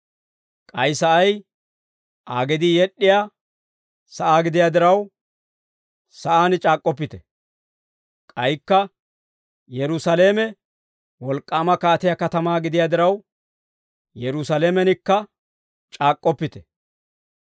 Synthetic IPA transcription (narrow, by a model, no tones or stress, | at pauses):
kʼɐjsɐʔɐj | ʔaːɡɛd̪ɪjɛɗːɪjaː | sɐʔaːɡɪd̪ɪjaːd̪ɪɾɐw | sɐʔaːnɪt͡ʃʼaːkʼːɔpːɪt̪ɛ̥ | kʼɐjkːɐ | jɛɾʊsɐleːmɛ | wɔlkʼːaːmɐkaːt̪ɪjakɐt̪ɐmaːɡɪd̪ɪjaːd̪ɪɾɐw | jɛɾʊsɐleːmɛnɪkːɐ | t͡ʃʼaːkʼːɔpːɪt̪ɛ̥